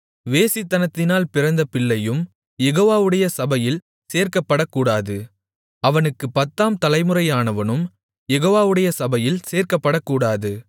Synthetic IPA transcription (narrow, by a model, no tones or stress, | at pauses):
ʋeːsɪt̪ːɐnɐt̪ːɪnaːlpɪɾɐnd̪ɐpɪɭːɐjɯm | jɛɣoːʋaːʋɯɽɐjɐsɐbɐjɪl | seːɾkɐpːɐɽɐkːuːɽaːðɯ | ɐʋɐnɯkːɯpɐt̪ːaːmt̪ɐlɐɪmɯrɐjaːnɐʋɐnɯm | jɛɣoːʋaːʋɯɽɐjɐsɐbɐjɪlseːrkɐpːɐɽɐkːuːɽaːðɯ